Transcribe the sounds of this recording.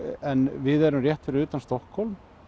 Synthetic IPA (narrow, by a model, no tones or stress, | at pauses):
ɛnvɪðɛɾʏmrjɛht̪fɪɾɪʏːt̪anst̪ɔhkhɔlm